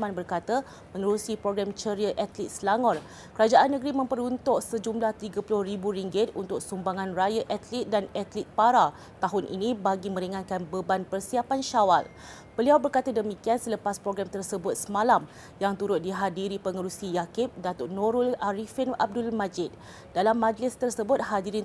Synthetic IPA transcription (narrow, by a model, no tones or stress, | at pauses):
manbərkat̪a | pəŋəɾusipɾoɡɾamt͡ʃəɾiəʔat̪lit̪̚slaŋɔr | kəɾad͡ʒaʔanːəɡɾimə̃mpəɾunt̪ʊʔsəd͡ʒumlaht̪iɡapulʊhribuɾiŋɡɪt̪̚unt̪ʊk̚sumbaŋãnrajaʔat̪lit̪̚danat̪lit̪̚paɾa | t̪aɦʊnʔḭnĩbaɡimə̃ɾiŋãn̚kanbəbanpərsiapanʃawal | b̥əliawbərkat̪adəmikiansələpaspɾoɡɾamt̪ərsəbʊt̪̚səmãlam | jaŋt̪uɾʊt̪̚diɦadiɾipəŋəɾusijakɪp̚dat̪ʊʔnoɾulaɾifɪna̰b̚dʊlmad͡ʒɪt̪̚ | dalamːãd͡ʒlɪst̪ərsəbʊt̪̚hadiɾɪ